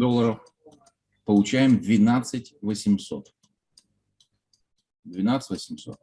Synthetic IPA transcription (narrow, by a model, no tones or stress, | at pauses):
d̪ɔlˠːɐɾɔf | pɔlˠʊt͡ʃajɪmd̪ʲʋʲinat̪sɨtʲʋɔsʲimsɔt̪ | d̪ʲʋʲɪnɑt̪sə̥tʲʋɔsʲimsɔ̰t̪̚